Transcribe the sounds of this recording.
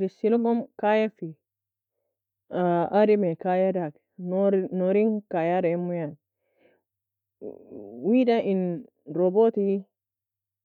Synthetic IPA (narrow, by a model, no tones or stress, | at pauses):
ɾisilɡɔmkajafi | aɾimɛkajadak | nnoɾiŋkajaɾamːujan | wiɗain | ɾɔbot̪i